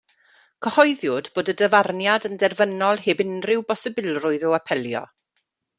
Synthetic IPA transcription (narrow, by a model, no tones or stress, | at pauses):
kʰəhɔɨðjʊdb̥oːdədəvarnjadəndɛrvənɔlˠheːbɪnrɪwbɔsɛbɪlˠrʊɨðɔapʰɛlˠjɔ̰